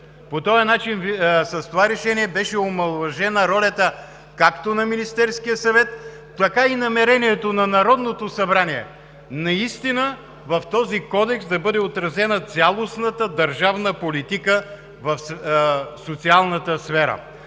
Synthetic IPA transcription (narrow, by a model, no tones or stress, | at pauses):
pot̪ɔjɐnat͡ʃinsɐst̪ovaɾɛʃɛniɛbɛʃɛomɐlˠvɐʒɛnəɾɔlʲɐt̪ə | kakt̪onɐminist̪ɛɾskijəsɐvɛt̪ː | ɐkainɐmɛɾɛniɛt̪onɐnɐɾɔd̪not̪osɐbɾaniɛ̰ | nɐist̪inə | vɐft̪ɔzikɔd̪ɛksd̪ɐbɤd̪ɛot̪ɾɐzɛnət̪sʲalˠosnət̪əd̪ɐɾʒavnəpolit̪ikə | vɐfssot̪sialˠnət̪əsfɛɾə̰